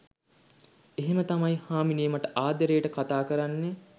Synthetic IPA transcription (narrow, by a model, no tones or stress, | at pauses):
eɦemət̪amajhaːminijəmɐʈəʔaːd̪əɾejəʈəkat̪aːkəɾanːe